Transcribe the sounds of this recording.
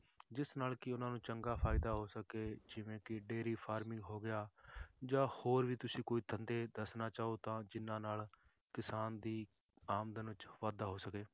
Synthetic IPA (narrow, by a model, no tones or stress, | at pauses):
d͡ʒɪsnaːlkɪʊnãːnũːt͡ʃəŋɡaːpʰaːɪd̪aːɦoːsəkeːd͡ʒɪʋẽːkɪɖeːɾiːpʰaːɾmɪ̃ŋɡɦoːɡɪaːd͡ʒãːhoːɾʋiːt̪ʊsĩːkoːiːt̪ʰənd̪eːd̪əsnaːt͡ʃaːoːt̪ãːd͡ʒɪnãːnaːl | kɪsaːnd̪iː | aːmd̪ənʋɪt͡ʃʋaːd̪aːɦoːsəkeː